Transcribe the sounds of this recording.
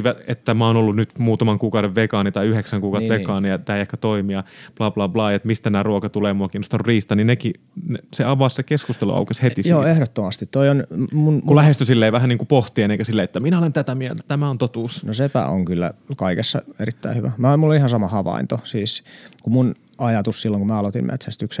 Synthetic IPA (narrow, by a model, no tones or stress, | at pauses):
ʋæet̪ːæmæonolːunyt̪muːt̪ɑmɑŋkuːkɑuɾeʋʋekɑnit̪ɑiyheksæŋkuːkɑuɾe̥ʋekɑːnijɑt̪æːejehkæt̪oimijɑplɑːplɑːplɑːjet̪mist̪ænæːruokɑt̪uleːmuɑkiːnost̪ɑrriːst̪ɑnineki | neseɑʋɑssekeskust̪elṵɑ̰ukeshet̪isjoːehɾot̪ːomɑst̪it̪t̪oionmunkulæhest̪ysilːeːʋæhæniːŋkupoht̪ieneiŋkæsilːeet̪ːæminæolent̪æt̪æmiælt̪æ̥t̪æmæont̪ot̪uːsnosepæ̰o̰ŋkylːæ̰kɑikesːɑ̰eɾit̪ːæ̰ihyʋæmæːomulːonihɑnsɑmɑhɑʋɑ̰int̪osiːskumun | ɑjɑt̪ussilːoŋkumæːɑlot̪ḭmmʔḛt̪sæst̪yks